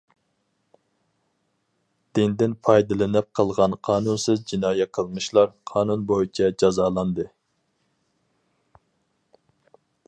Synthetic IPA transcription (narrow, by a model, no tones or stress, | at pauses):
d̪̥ɪnd̪ɪnpʰɑjd̪ɨlˠɨnɪp̚qʰəlˠʁɑnqʰɑːnunsɨzd͡ʒinɑːjɛqʰəlˠmɨʃlˠɑɾqʰɑːnunbojit͡ʃʰɛd͡ʒɑzɑːlˠɑnd̪ɨ